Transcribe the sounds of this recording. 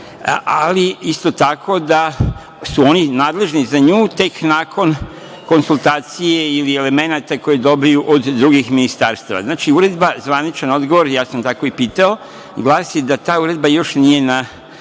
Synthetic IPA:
ʔaliist̪o̞t̪akʰo̞d̪a | suo̞ninaːd̪leʒnizaɲuːt̪e̞knaːkʰo̞n | ko̞nsulˠt̪aːt̪sijeiliele̞me̞nat̪ako̞jed̪o̞bijuʔod̪ːɾuɡixminist̪aɾst̪aʋa̰znaːt͡ʃiuɾe̞d̪bazʋanit͡ʃano̞d̪ɡo̞ʋo̞ɾjaːsamt̪ako̞ipiːt̪ao̞ | ɡlˠaːsjed̪at̪aːuɾe̞d̪̚bajo̞ʃnije̞na

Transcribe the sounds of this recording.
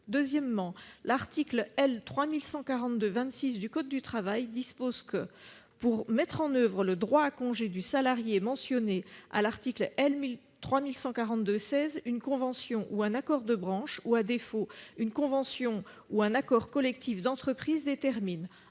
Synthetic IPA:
d̪øzjɛmːɑ̃laʁt̪iklɛlt̪χwamilsɑ̃kaʁɑ̃t̪d̪øvɛ̃t̪sis̬d̪ykɔd̪̚d̪yt̪χavajd̪ispozkə | puʁmɛt̪χɑ̃nœvʁələd̪ʁwaːkɔ̃ʒed̪ysalaʁjemɑ̃sjɔnea̰laʁt̪iklʔɛlmil | t̪χwamilsɑ̃kaʁɑ̃t̪d̪øsɛzynkɔ̃vɑ̃sjɔ̃ʔuɛ̃nakɔʁd̪əbʁɑ̃ʃuad̪efoynkɔ̃vɑ̃sjɔ̃ | uɛ̃nakɔʁkɔlɛk̚t̪ifd̪ɑ̃t̪χəpχizd̪et̪ɛʁmin

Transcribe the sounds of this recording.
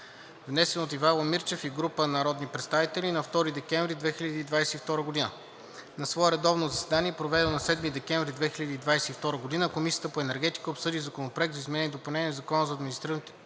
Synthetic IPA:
vnɛsɛnot̪ivalˠomiɾt͡ʃɛfiɡɾupənɐɾɔd̪nipɾɛt̪st̪avit̪ɛlʲinɐft̪ɔɾid̪ɛkɛɱvɾid̪vɛxiləd̪iːd̪vajsɛift̪ɔɾəɡod̪inə | nɐsvɔɛɾɛd̪ɔvnozɐsɛd̪aniɛpɾovɛd̪ɛlˠnɐsɛd̪mid̪ɛkɛɱvɾid̪vɛxilʲəd̪iːd̪vajsɛift̪ɔɾəɡod̪inəkomisijə̥t̪əpoɛnɛɾɡɛt̪i̥kəopsɤd̪izɐkonopɾoɛkt̪zɐizmɛnɛnʲiɛd̪opɐlnɛnʲɛzɐkɔnəzɐːd̪minist̪ɾiɾvənt̪

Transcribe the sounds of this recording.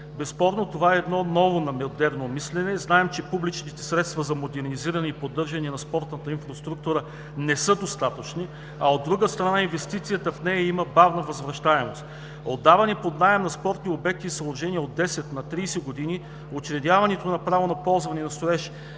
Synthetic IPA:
bɛspɔɾnot̪ovaɛːd̪nɔnɔvonɐmɛod̪ɛɾnomislɛnɛznaɛmt͡ʃɛpublit͡ʃnit̪ɛsɾɛt̪st̪vɐzɐmod̪ɛɾniziɾɐnɛipod̪ːɤɾʒɐnɛnɐspɔɾt̪nət̪əinfɾost̪ɾuk̚t̪uɾə | nɛsɤd̪ost̪at̪ət͡ʃni | ɐod̪ːɾuɡəst̪ɾɐnainvɛst̪it̪sijət̪əfnɛjɐiməbavnɐvɐzvɾɐʃt̪aɛmost̪ | od̪ːavɐnipod̪naəmnɐspɔɾt̪niobɛk̚t̪iːsɐlˠɾʒɛniəod̪ːɛsɛt̪nɐt̪ɾiːsɛɡod̪ini | ot͡ʃɾɛd̪ʲjavɐnɛt̪onɐpɾavonɐpɔlˠzvɐnɛnɐst̪oɛʃɛ̥

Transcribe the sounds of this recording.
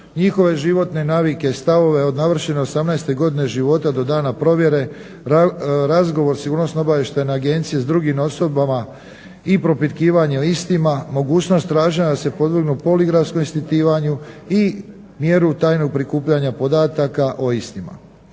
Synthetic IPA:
ɲixo̞ʋe̞ʒiʋo̞t̪ne̞naːʋike̞st̪aʋo̞ʋe̞o̞d̪naʋr̩ʃeneosamnajst̪e̞ɡo̞d̪ine̞ʒiʋo̞t̪ad̪o̞d̪aːnapɾo̞ʋje̞ɾe̞ | ɾazɡo̞ʋo̞ɾsiɡuːɾnosnobaʋeʃt̪anaaɡe̞nt̪sijezd̪ɾuɡimo̞so̞bama | ipɾo̞pit̪kiːʋaɲeoist̪imamo̞ɡuːt͡ɕno̞st̪ːɾaːʒinad̪ase̞po̞d̪ʋiɡnupo̞liɡɾafskomist̪it̪iːʋaɲui | mje̞ɾut̪aːjno̞ɡ̚pɾikuːpʎaɲapo̞d̪aːt̪akaʔo̞ist̪ima̰

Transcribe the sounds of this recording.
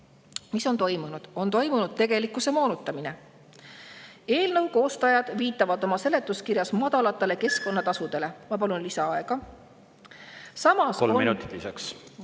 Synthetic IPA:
miso̞nt̪o̞jmunud̪̥o̞nt̪o̞jmunud̪̥̚t̪e̞ɡ̥e̞likːˑuse̞mo̞ːnut̪ːˑɑmine̞ | e̞ːlnɤwko̞ːst̪ɑjɑd̪̥viːt̪ːˑɑvɑd̪o̞mɑse̞le̞t̪ːˑuskiɾjɑsmɑd̪̥ɑlɑt̪ːˑe̞le̞ke̞skˑo̞nːɑt̪ɑsud̪̥e̞le̞mɑpɑlunlisɑɑe̞ɡ̥ɑ | sɑmɑsolminṵiisɑks

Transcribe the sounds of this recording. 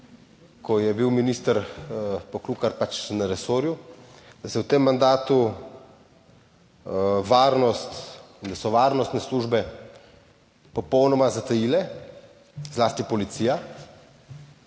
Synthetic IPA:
kʰɔjɛbiwminiːst̪əɾpɔkluːkaɾpat͡ʃnaɾɛsoːɾju | d̪asɛwt̪emːand̪aːt̪u | ʋaːɾnɔst̪ind̪asɔʋaːɾnɔst̪nɛsluːʒbɛ | pɔpɔwnɔmazat̪ajilɛ | zlaːst̪ipɔlit̪siːja

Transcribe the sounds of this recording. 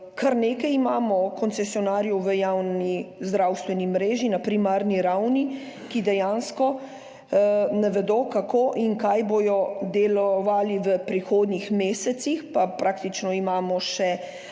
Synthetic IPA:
kaɾneːkɛjimaːmɔkɔnt̪sɛsiɔnaːɾjɔwʋəjawnizd̪ɾawst̪ʋɛnimɾeːʒinapɾimaːɾniɾawni | kid̪ɛjaːnskɔ | naʋɛd̪oːkakoʔiŋkajboːjɔd̪ɛlɔʋaːliʋəpɾixoːd̪nixmeːsɛt̪sixpapɾaːkt̪it͡ʃnɔimaːmɔʃɛ

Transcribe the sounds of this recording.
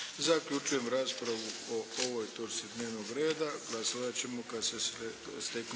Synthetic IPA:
zakʎut͡ʃuje̞mɾaːspɾaʋuooʋo̞jt̪oɾt̪sid̪ne̞ːʋno̞ɡɾe̞ːd̪aɡlˠasoʋat͡ɕe̞mo̞kad̪seest̪ek

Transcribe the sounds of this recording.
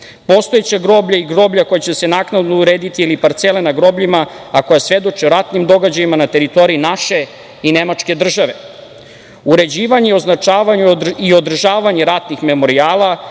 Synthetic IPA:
po̞st̪oet͡ɕaɡɾo̞ːbʎaiɡɾo̞bʎako̞jet͡ɕe̞senaːknad̪nouɾeːd̪it̪iilipaɾt̪selenaɡɾo̞ːbʎimaako̞jasʋe̞d̪o̞t͡ʃioɾat̪nimd̪o̞ɡad͡ʑajimanat̪e̞ɾit̪o̞ɾiinaʃe̞ | ine̞mat͡ʂke̞d̪r̩ʒaʋe̞ | uɾe̞d͡ʑiːʋaɲeio̞znat͡ʂaːʋaɲuio̞d̪r̩ʒaːʋaɲeɾat̪nixme̞mo̞ɾiaːlˠa

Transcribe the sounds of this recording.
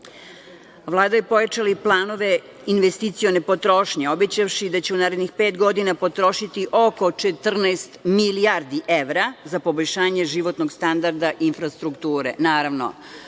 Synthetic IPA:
ʋlˠaːd̪ajipo̞jat͡ʃaliplˠaːno̞ʋe̞ | inʋest̪it̪sijonepo̞t̪ɾo̞ʃɲeo̞bet͡ɕafʃid̪at͡ɕeunaːɾed̪nixpeːt̪ɡo̞d̪inapo̞t̪ɾo̞ʃit̪iʔo̞ko̞t͡ʃet̪r̩nast̪milijaɾd̪iʔeʋɾazapo̞boʎʲʃaːɲeʒiʋo̞t̪noɡst̪and̪aɾd̪aʔinfɾast̪ɾukt̪uːɾḛnaːɾaʋno̰

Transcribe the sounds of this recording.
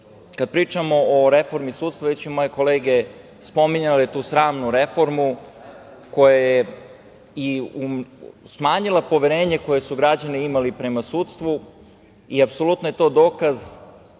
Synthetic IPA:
kad̪̚pɾiːt͡ʃamo̞oɾe̞fo̞ɾmisudt̪st̪ʋaʋet͡ɕumoːje̞ko̞leːɡe̞ | spo̞miɲalet̪uːsɾaːmnuɾe̞fo̞ɾmu | ko̞jaje | iusmaːɲilˠapo̞ʋeɾe̞ːɲeko̞je̞suɡɾad͡ʑaniimalipɾe̞masuːt̪st̪ʋu | iapso̞lut̪noje̞t̪o̞ːd̪o̞ːkaz

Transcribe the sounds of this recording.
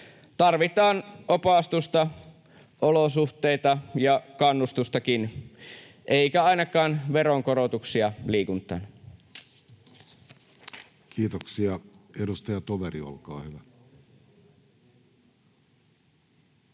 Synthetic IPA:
t̪ɑrʋit̪ɑːnʔopɑˑst̪ust̪ɑ | ʔolosuht̪eit̪ɑjɑkɑnːust̪ust̪ɑkin | ʔeˑikæɑinɑkɑːnʋeɾoŋkoɾot̪uksiɑliːkunt̪ˑɑ̰ːn | kʰiːt̪oksiɑedust̪ɑjɑt̪oʋeɾḭo̰lkɑ̰ːhyʋæ

